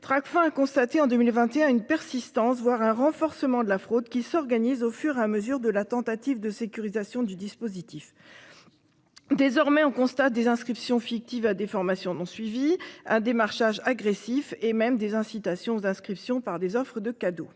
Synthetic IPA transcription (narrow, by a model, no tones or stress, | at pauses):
t̪χakfɛ̃akɔ̃st̪at̪eɑ̃d̪ømilvɛ̃t̪eɛ̃ynpɛʁsist̪ɑ̃svwaʁɛ̃ʁɑ̃fɔʁsəmɑ̃d̪əlafχod̪kʲisɔʁɡanizofyʁeaməzyʁd̪əlat̪ɑ̃t̪at̪ivd̪əsekʲyʁizasjɔ̃d̪yd̪ispozit̪if | d̪ezɔʁmɛɔ̃kɔ̃st̪at̪̚d̪ezɛ̃skχipsjɔ̃fik̚t̪ivad̪efɔʁmasjɔ̃nɔ̃sɥiviɛ̃d̪emaʁʃaʒaɡʁesifemɛmd̪ezɛ̃sit̪asjɔ̃zɛ̃skχipsjɔ̃paʁd̪ezɔfχəd̪əkad̪o